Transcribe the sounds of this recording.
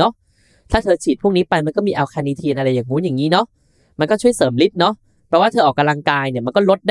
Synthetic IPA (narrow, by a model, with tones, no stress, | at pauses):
ɔ˦˥ʔ | t̪ʰaː˥˩t̪ʰɤː˧t͡ɕʰiː˨˩t̪̚pʰu˥˩ŋniː˦˥pa˧jma˧nkɔː˥˩miː˧ʔa˧wkʰaː˧niː˧t̪ʰiː˧nʔa˧ɾa˧jːaː˨˩ŋmuː˦˥jaː˨˩ŋiː˦˥nɔ˦˥ʔ | ma˧nkɔː˥˩t͡ɕʰu˥˩əjsɤː˩˦mli˦˥t̪̚nɔ˦˥ʔ | pʰɾɔ˦˥waː˥˩ɤː˧ʔɔː˨˩ka˧mla˧ŋkaː˧jni˥˩ma˧nkɔː˥˩lo˦˥t̪̚da˥